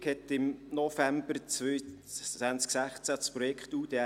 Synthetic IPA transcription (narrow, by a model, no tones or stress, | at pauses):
khɛt̪ɪmnɔfæmbərt͡sø | ænt͡sksæχt͡sæspɾɔjɛkχtuːd̥e